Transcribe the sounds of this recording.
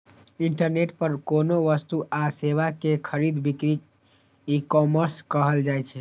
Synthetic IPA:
iɳʈəɾneʈ̚pəɾkonoʋəst̪uʔaseβakekʰəɾid̪bikɾi | ikɔməɾskəɦəld͡ʒajt͡ʃʰɛ

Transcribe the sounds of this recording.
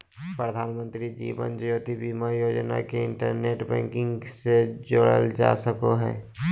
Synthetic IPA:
pɾəd̪ʱaːnmə̃nt̪ɾid͡ʒḭːʋə̰nd͡ʒjoːt̪ibimajoːd͡ʒna̰keɪ̃ɳʈəɾneːʈbɛ̰̃ːŋkɪ̃ŋɡsed͡ʒoːɽəld͡ʒa̰ːsəkoɦɛ̰ː

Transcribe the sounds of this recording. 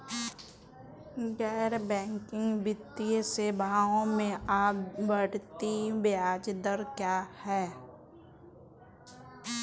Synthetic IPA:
ɣɛːɾbɛ̃ːŋkɪ̃ŋɡbɪt̪ːiseːbʱaːõmẽaːbbəɽt̪ibɪjaːd͡ʒd̪əɾkjaːhɛː

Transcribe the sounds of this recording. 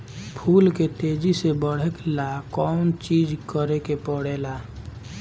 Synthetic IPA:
pʰuːlket̪eːd͡ʒisebəɽ̤əklakɔːnt͡ʃiːd͡ʒkəɾekepəɽeːlaː

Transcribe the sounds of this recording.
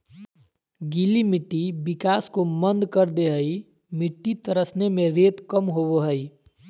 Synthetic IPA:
ɡilimɪʈːibɪkaːskomə̃nd̪kəɾd̪eɦəi | mɪʈːit̪əɾəsnemẽɾeːt̪kəmɦoboɦəi

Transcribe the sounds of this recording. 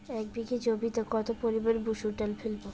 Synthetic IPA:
ɛk̚biket͡ɕobit̪okɔt̪opoɾibaɾbuʃuʈalfelbo

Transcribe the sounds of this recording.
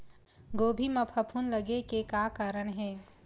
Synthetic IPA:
ɡoːbʱimɐpʰəpʰunləɡekekaːkaːɾəɽɦɛː

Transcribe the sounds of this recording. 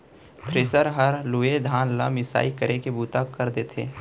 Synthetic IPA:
t̪ʰɾɪsəɾɦəɾluːed̪ʱaːnla̰mɪsa̰ːikəɾʔekebuːt̪akəɾd̪eːt̪ʰeː

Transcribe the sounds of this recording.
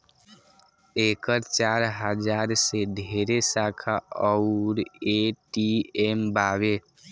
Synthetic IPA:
ekəɾt͡ʃaɾɦəd͡ʒaɾsed̪ʱeɾesakʰaɔʊɾeʈiembaβe

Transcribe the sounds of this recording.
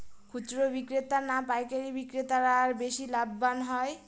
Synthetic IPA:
kʰut͡ʃɾobikɾet̪aɾnapajkaɾibikɾet̪aɾaɾbeʃilabːanɦɔj

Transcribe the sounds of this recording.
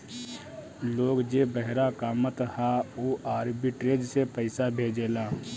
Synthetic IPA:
loːɡd͡ʒeːbəɦɾakaːmət̪ɦaoːʔaːɾbiʈɾed͡ʒsepəɪsabʱeːd͡ʒeːlaː

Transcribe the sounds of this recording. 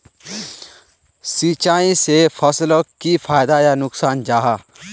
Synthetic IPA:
sit͡ʃaːĩsepʰɐsləkifʰaːjd̪ajanʊksaːnd͡ʒaːɦaː

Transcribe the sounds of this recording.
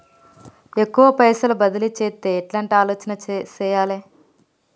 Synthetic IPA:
ekːuʋɐpɐjsɐlɐbɐd̪ɐlit͡ʃeːt̪ːeːeʈlaːɳʈiaːloːt͡ʃɐnɐt͡ʃɛːjaːleː

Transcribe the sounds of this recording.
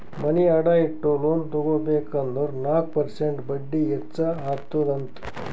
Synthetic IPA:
mɐniɐɽaːiʈːoloːnt̪oɡobeːkɐnd̪oɾnaːk̚pɐɾseɳʈbɐɖːiɛsɐat̪ːod̪ɐnt̪u̥

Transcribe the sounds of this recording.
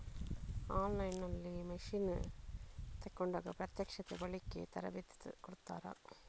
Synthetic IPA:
aːnlɐɪnːɐlːimɐʂin | t̪ɐkːɔɳɖɐːɣɐpɾɐt̪jɐkʂɐt̪ːɐʋɐɭɪkːḛːt̪ɐɾɐ̰ʋɪt̪ːt̪ːɯ̰kɔɽɯt̪ːa̰ːɾa̰ː

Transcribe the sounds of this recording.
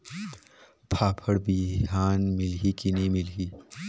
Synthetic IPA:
pʰaːpʰəɽbiɦaːnmɪlɦikinimɪlɦi

